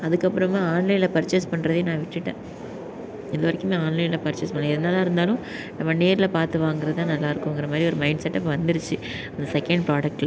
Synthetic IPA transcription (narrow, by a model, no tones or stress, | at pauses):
ɐðɯkːɐpːɯɾɐmaːaːnlɐɪlɐpɐɾt͡ʃːɪspɐɳːɾɐðeːnãːʋɪʈːɯʈːḛ̃ː | ɪðɯʋɐɾɐkːɯmeːaːnlɐɪlɐpɐɾt͡ʃːɪspɐɳleɪðɛnd̪aːlãːɪɾɯnd̪aːlʊ̃ | nɐmːɐneːɾɪlɐpaːɾt̪ɯʋaːŋɡɪɾɐðt̪ãːnɐlːaːɪɾɯkːɯmŋɡɪɾɐmaːd̪ɾiɔɾɯmɐɪɳɖsɛʈːɐpːʋɐnd̪ɪɾɯt͡ʃːɯ | ɐnd̪ɐsɛkɐɳɖpɾaːɖɐk̚ʈ